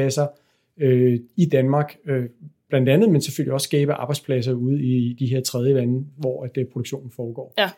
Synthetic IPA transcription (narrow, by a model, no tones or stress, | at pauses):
æsɐ | øid̥ænmɑ̈ːɡ̥øb̥lænd̥ænð̞̩ˠmense̥føl̰iɒ̽ssɡ̥ɛːb̥əʔɑ̈b̥ɑɪ̥spʰlæs̬ɐuð̞̩ˠid̥iɦe̝ɐ̰t͡sʰʁɛð̞ˠjəʋænəʋɒ̰ːæd̥pʰʁo̝ɾouɡ̥ɕo̰ːn̩fɒːɡ̥ɒ̰ː